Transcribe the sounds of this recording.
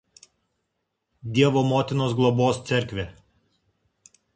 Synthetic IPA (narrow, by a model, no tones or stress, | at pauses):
d̪ʲiɛʋoːmoːt̪ʲɪnoːs̬ɡlˠɔboːst̪sʲɛɾʲkʲʋʲeː